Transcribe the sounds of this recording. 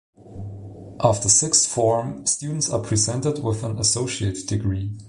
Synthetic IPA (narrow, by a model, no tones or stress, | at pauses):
ʔɑftəsɪksfɔɹmstjʉdⁿn̩tsəpʰɹ̥izɛ̃ntɨd̚wɪðə̃nəsoʊʃieɪɾɨdɨɡɹi